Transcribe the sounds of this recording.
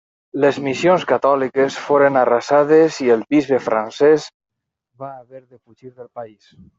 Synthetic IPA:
lezmisionskat̪ɔlikesfoɾenarasaðezielˠbizβefɾʔansɛz | baːβɛɾðefuʒiɾðəlˠpais

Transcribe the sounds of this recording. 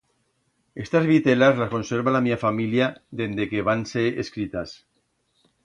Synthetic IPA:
est̪azβit̪elazlasko̞nseɾβalamiafamiljaðend̪ekeβanseeskɾit̪as

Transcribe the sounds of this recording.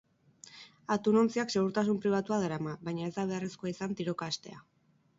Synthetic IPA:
at̪uno̞nt͡siakse̞ɣ̞uɾt̪asumpɾiβat̪uað̞eɾamaβajɲae̞zd̪aβ̞eareskoaisant̪iɾo̞kaːst̪e̞̰a̰

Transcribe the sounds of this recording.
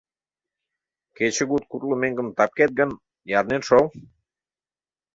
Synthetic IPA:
ket͡ɕə̆ɡut̪̚kurlˠomeŋɡə̆mt̪ɑp̚ket̪̚ɡə̆n | jɑɾnenʃol

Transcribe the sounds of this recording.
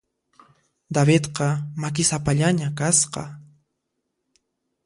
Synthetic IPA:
d̪aβɪt̪qɑmak̬ɪsapaʎaɲakasqɑ̰

